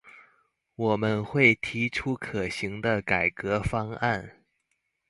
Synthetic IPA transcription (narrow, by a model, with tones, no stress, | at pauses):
wɔ˨˩mə˦nxwe˥˩ɪt̪ʰi˧˥ʈ͡ʂʰu˥kʰɤ˨˩ɕi˧˥ŋd̪ə˧ka˨˩ɪkɤ˧˥fɑ˥ŋa˥˩n